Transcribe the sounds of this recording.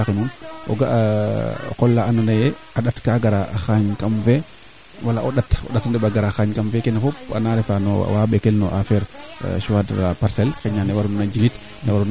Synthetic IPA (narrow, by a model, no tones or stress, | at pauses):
axinunʔɔ̰ɡa | kɔlːaananajɛ | aɗatkaɡaɾaxaɲkamfɛ | walaʔɔɗatɔ̰ɗatndɛɓaɡaɾaxaːɲkamfɛkɛnafɔpa̰naɾɛfanɔ̰waɓɛkɛlnɔ̰ʔafɛɾ̰ʃuwada̰paɾsɛlxɛɲanɛwaɾunad͡ʒilit | nɛwaɾun